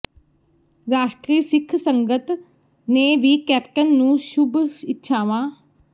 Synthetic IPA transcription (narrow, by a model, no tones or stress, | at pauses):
ɾaːʃʈɾiːsɪkʰsəŋɡət̪ | neːʋiːkɛːp̚ʈənːũːʃʊbɪtːʃʰaːʋãː